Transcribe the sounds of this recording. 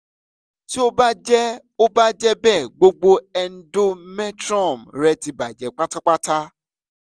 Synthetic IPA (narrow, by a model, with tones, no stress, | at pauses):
ti˦o˦ba˦d͡ʒɛ˦ | o˦ba˦d͡ʒɛ˦bɛ˦˨ɡ͡bo˧ɡ͡bo˧ɛ˧n̩˦do˦mɛ̃˦tɾɔ̃˦˨mɾɛ˧˦ti˧ba˨d͡ʒɛ˨k͡pa˦ta˦k͡pa˦ta˦